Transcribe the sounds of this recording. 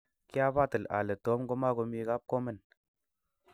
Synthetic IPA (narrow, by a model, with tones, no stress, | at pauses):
ki˦a˦ba˦˨tə˨la̰˨lə˨to˨˦mɡo˦ma˦ɡo˧mi˧ka˦p̚ko˦mə˦n